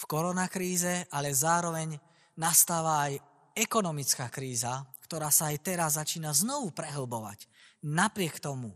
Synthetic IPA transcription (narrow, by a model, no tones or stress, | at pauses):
fkɔɾɔnakɾiːzɛalɛzaːɾɔʋɛɲ | nast̪aːʋaːj | ɛkɔnɔmit͡skaːkɾiːzakt̪ɔɾaːsaːjt̪ɛɾazːat͡ʃiːnaznɔʋupɾɛɦl̩bɔʋa̰cnapɾɪɛkt̪ɔmu